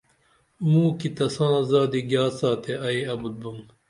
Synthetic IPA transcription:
mũːkit̪ɐsãnɐzaːd̪iɡjaːsaːt̪ʰeɐiɐbud̪̚buŋ

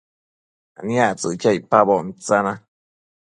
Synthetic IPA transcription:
aniaʔt͡sɨt͡ʃaipabomit͡sana

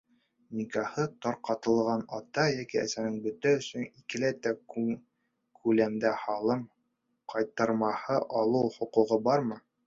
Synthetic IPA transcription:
mikɑhɤt̪ɑɾqɑt̪ɤ̆lˠʁɑnɑt̪ɑjækiæ̰sænɘŋbɵ̆t̪æɵ̆sɵnikɘ̆læjt̪æ | kʰʉlæmd̪æhɑlˠɤɴ | qʰɑjt̪ɑɾmɑhɤʔɑlˠɤwχŏquʁɤbɑɾmɤ

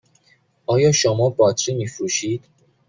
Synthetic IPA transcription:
ɒːjɒːʃomɒːbɒt̪ʰɾimifɾuʃiːd̪̥

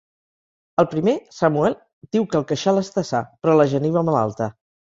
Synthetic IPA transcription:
əlˠpɾimesəmuɛlˠ | d̪̥iwkəlˠkəʃaləst̪əsapɾɔləʒəniβəmala̰lˠt̪ə

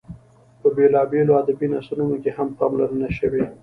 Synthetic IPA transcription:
pəbelɑbeload̪abinasulunokehampɑmlaɾənaʃəwe

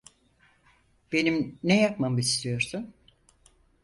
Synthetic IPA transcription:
b̥e̞nimnɛjakmamɯist̪ʰijo̞ɾsun

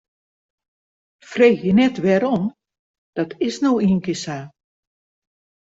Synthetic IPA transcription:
freːxjənɛtʋɛɾon | d̥ɔtʰɪsnowiənkɪsa

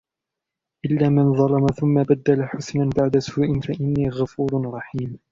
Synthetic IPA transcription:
ʔɪlːaːmanðˤɑlɑmaθʊmːabad̪ːalaħʊsnabaʕd̪asuːʔɪnfaʔɪnːiːɣafuːɾˤɾˤɑħiːm

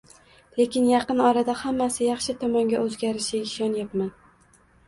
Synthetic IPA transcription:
le̞kʲɪnjɑqɨnɒɾad̪ahamːasɪjɑχʃɪt̪ʰɒmɒŋɡʲaʔɵzɡʲaɾɪʃɪɪʃɒnjapman

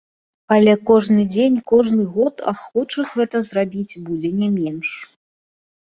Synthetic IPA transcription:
ɐlʲɛkɔʐnɨd͡zʲenʲkɔʐnɨɣɔt̪ʰa̰xɔt͡ʂɨxɣɛt̪ɐzrabʲid͡zʲbud͡zʲɛnʲɛmʲɛnʂ

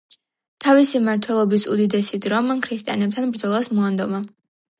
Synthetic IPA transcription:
t̪ʰavisimaɾt̪ʰwɛlˠɔbisud̪id̪ɛsid̪ɾɔmkʰɾist̪ʼija̰nɛp̚t̪ʰanbɾd̪zɔlˠasmɔand̪ɔma

